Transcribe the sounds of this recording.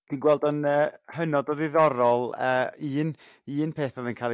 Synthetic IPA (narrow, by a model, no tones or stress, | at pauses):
d̥iːnɡwɛlˠdənəːhənɔdɔðɪðɔɾɔlˠəːiːn | iːnpʰeːθɔðənkʰaːlˠ